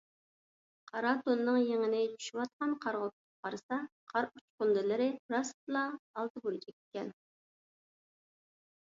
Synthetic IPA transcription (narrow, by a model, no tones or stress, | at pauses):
qʰɑɾɑt̪onːɨŋjeŋɪnɪt͡ʃʰy̥ʃywɑt̪̚qɑnqʰɑɾʁot̪̚ʰ | qʰɑɾɨsɑqʰɑɾut͡ʃqʊnd̪ɨlˠɨɾɪɾɑst̪ɨlˠɑːlˠt̪ɨbolˠɨt͡ʃʰɛk̚ʲe̥kʲːɛn